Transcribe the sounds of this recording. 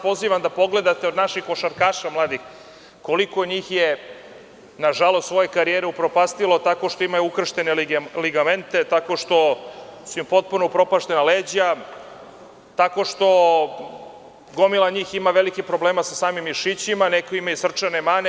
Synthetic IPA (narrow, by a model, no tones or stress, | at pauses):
po̞ziːʋamd̪apo̞ɡle̞d̪at̪eod̪naʃixkoʃaɾkaːʃamlˠaːd̪ix | ko̞liko̞ɲiːxje | naʒalost̪sʋo̞je̞kaɾijeɾeupɾopast̪ilo̞t̪akoʃt̪o̞imajuukr̩ʃt̪e̞neliɡame̞nt̪e̞t̪ako̞ʃt̪o̞suumpo̞t̪̚punoupɾo̞paʃt̪e̞naleːd͡ʑa | t̪ako̞ʃt̪o̞ | ɡo̞milˠaɲiːximaʋelikipɾo̞bleːmasasaːmimiʃit͡ɕimanekoimajesr̩t͡ʃanemaːne